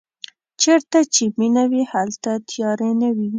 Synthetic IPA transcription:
t͡ʃeɾt̪at͡ʃeminawihalt̪at̪ʰjɑɾenawi

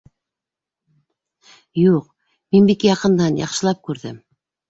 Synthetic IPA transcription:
juq | minbikjɑqɤ̆nd̪ɑnjɑ̰qʃɤ̆lˠɑp̚kʉɾðɘm

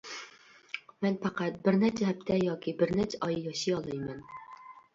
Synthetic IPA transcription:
mɛnpʰæqæt̪̚bɪɾnɛt͡ʃʰɛɦɛp̚t̪ʰɛjɑːkʲʰibɪɾnɛt͡ʃʰɛʔɑjjɑʃijɑlˠɨjmɛn

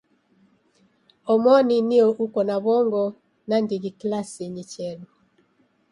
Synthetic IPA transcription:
ɔmɔninioʔukɔnaβɔŋɡɔ | nandiɡiklasiɲit͡ʃɛlu

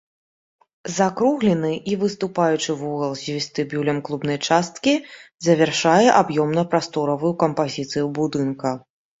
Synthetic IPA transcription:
zakɾuɣlʲɛnɨʔivɨst̪upajut͡ʂɨvuɣɐlˠzʲvʲist̪ɨbʲulʲɐmklˠubn̪ɐjt͡ʂast̪̚kʲizɐvʲɛrʂajɛʔabjɔmnɐpɾast̪ɔɾɐvujukɐmpazʲit̪sɨjubud̪ɨnkɐ

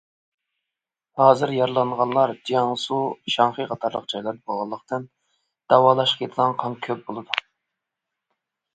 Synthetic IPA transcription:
hɑːzɪɾjɑɾlˠɑɴʁɑnlˠɑɾd͡ʒiɑŋsuʃɑŋχɨqɑt̪ʰɑɾlˠə̰q̚d͡ʒɑjlˠɑɾd̪əboʁɑlˠːəqt̪ɨn | d̪̥ɑwɑːlˠɑʃqʰʲet̪ʰlˠɑŋqʰɑnkʲʰøp̚bolˠɨd̪u

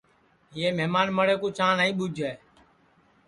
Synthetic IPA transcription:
ɪeːmɛːmaːnməɽeːkuːt͡ʃãːɳaːĩːɓʊd͡ʒʱɛː

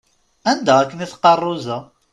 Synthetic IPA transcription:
ænd̪æʁækːəniθqːɑrˤːʊzə

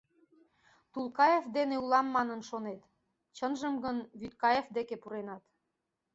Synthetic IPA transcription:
t̪ulˠkɑjefd̪eneulɑmːɑnənʃonet̪ | t͡ɕənʒəmɡənβyt̪̚kɑjefd̪ekepuɾenɑt̪

